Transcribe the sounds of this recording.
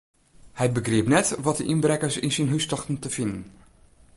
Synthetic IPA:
hɛjbəɡrɪəpnɛtʋɔt̚dəʔinbrɛkəɹsɪnsinɦystɔxtn̩təfɪndən

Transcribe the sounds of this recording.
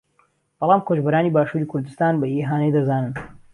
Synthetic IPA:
b̥ɑlˠɑːmkʰod͡ʒbɐɾaːniːbaːʃuːɾiːkʰʊɾd̪ɨst̪aːnbɐʔiːɦaːnejd̪ɐzaːnɨn

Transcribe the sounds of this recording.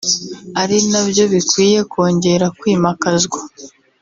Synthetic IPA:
aɾinabjo̞βikwiːje̞ko̞ːɲɟe̞ɾakwiːmakazɡwa

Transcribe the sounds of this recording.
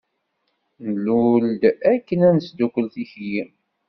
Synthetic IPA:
nluld̪ækːənænsd̪ukəlθiçji

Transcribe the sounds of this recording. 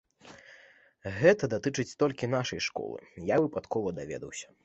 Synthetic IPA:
ɣɛt̪ɐd̪at̪ɨt͡ʂɨt͡sʲt̪ɔlʲkʲinaʂɐjʂkɔ̰lˠɨ̰javɨpat̪kʰɔvɐd̪avʲɛ̰d̪ɐwsʲɐ̥

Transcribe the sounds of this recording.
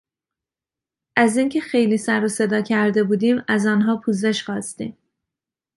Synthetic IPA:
ʔæziːncʰe̞xe̞jliːsæɾose̞d̪ɒːcʰæɾd̪e̞buːd̪iːmæzɒːnɦɒːpʰuːze̞ʃxɒːst̪ḭːm

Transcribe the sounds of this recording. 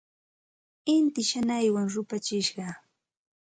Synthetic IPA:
ɪnt̪ɪʃanajwaŋɾʊpat͡ʃɪʃɢɑ

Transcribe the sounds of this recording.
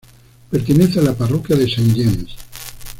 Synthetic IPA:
peɾt̪eneθealaparokjaðesanʎens

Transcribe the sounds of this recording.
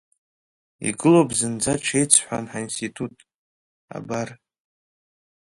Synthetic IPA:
ḭɡɨlobzɨnd͡zaʈ͡ʂʷʰejt͡sʰħʷa̰nħainstitʰutʼ | a̰bar

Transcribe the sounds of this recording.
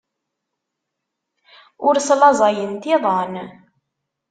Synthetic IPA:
ʊɾslɑzˤɑjənt̪ɪðˤɑn

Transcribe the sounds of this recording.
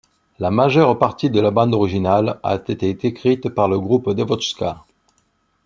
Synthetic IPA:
lamaʒœʁpaʁt̪id̪əlabɑ̃d̪ɔʁiʒinala̰t̪et̪et̪ekχit̪paʁləɡʁupd̪evɔt͡ʃska

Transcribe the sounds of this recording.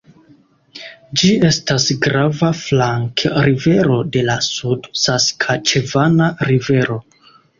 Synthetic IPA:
d͡ʒie̞stasɡɾavaflaŋkɾive̞ɾo̞de̞lasudsaskʰat͡ʃe̞vanaɾive̞ɾo̞

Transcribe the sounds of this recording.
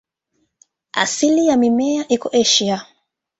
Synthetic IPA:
a̰silijamimɛaʔikɔʔɛʃia

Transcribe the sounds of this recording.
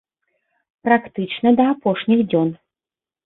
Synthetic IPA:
pɾakt̪ɨt͡ʂnɐd̪ɐapɔʂnʲixd͡zʲɔn

